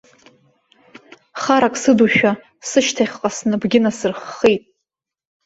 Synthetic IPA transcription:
χaɾakʼsɨduʃᶣa | sɨʃtʰaχʲqʼasnɨbɡʲɪnasɨrχːejtʼ

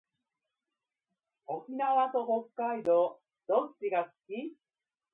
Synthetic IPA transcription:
okʲinaβat̪o̞ɦo̞kːaid̪o̞ | d̪ot͡ɕːiɡasɨ̥kʲi

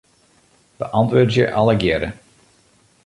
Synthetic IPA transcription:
b̥əʔɑntʋøːdəjəʔɑləɡjɪɾə

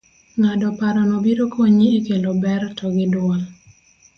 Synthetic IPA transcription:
ŋadɔpaɾɔnɔbiɾokʰoɲiekelobɛrtʰɔɡɪdwɔl

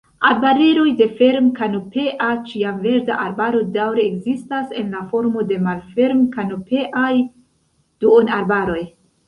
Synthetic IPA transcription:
aɾbaɾeɾo̞jde̞fe̞ɾmkanope̞ʔat͡ʃiamve̞ɾda̰ʔaɾbaɾo̞dawɾeːɡzistase̞nlafo̞ɾmo̞de̞malfe̞ɾmkanope̞ʔaj | d̥uonaɾbaɾo̞j

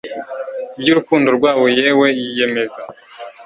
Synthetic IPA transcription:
ibjuɾukuːndo̞ɾɡwaːβo̞je̞ːwe̞jije̞me̞za

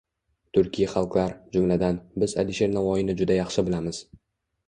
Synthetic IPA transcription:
t̪ʰʊɾkʲʰijaχɑlˠqlˠaɾd͡ʒʊmlad̪anbɪza̰lɪʃe̞ɾnavɒjɪnɪd͡ʒʊd̪ajɑχʃɪbɪlamɪz̥

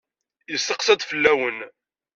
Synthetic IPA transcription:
jəsːəqsɑd̪ˤfəlːæwən

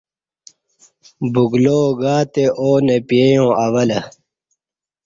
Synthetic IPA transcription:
buɡloːɡaːt̪eʔoːnepiejõːɐwɐlɐ

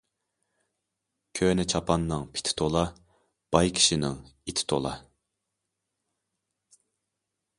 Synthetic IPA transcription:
kʲʰønɪt͡ʃʰɑpʰɑnːɨŋpʰi̥t̪ʰɪ̥t̪ʰolˠɑ | b̥ɑjkʲʰi̥ʃinɪŋit̪ʰɪ̥t̪ʰo̰lˠɑ̰

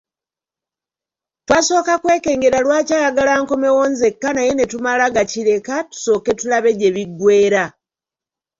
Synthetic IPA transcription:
twaːso̞ːkakwe̞ːke̞ːŋɡe̞ɾalwaːcaːjaɡalaŋkome̞wonze̞kːanaje̞ne̞tumalaɡaciɾe̞katu̥so̞ːke̞tulaβe̞de̞βiɡwe̞ːɾa

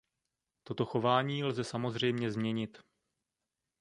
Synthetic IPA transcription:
t̪o̞t̪o̞xo̞vaːɲiːlzɛsamo̞zr̝ɛjmɲɛzmɲɛɲɪt̪

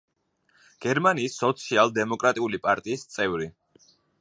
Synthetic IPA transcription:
ɡ̥ɛɾmaniːsːɔt̪sʰialˠd̪ɛmɔkʼɾat̪ʼiulipʼaɾt̪ʼiːst̪sʼɛvɾi

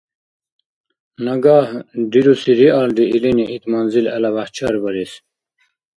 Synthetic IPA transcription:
nɐɡaːhd̪iɾusiɾiaːld̪iʔiliniʔit̪mɐnzilɐ̰lɐʋaht͡ɕʰaːɾbɐɾis

